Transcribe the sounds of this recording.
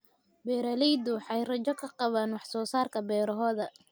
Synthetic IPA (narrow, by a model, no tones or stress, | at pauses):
bɛːɾɐlɛjd̪ʊwɑħɑjrɐt͡ʃɔkʰɐqɑβaːnwɑħsɔːsaːrkʰɐbɛːɾɐɦɔːðɐ